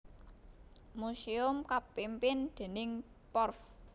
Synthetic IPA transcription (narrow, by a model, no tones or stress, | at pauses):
musiʊmkapimpɪnd̪̥e̤nɪŋ | pɔrf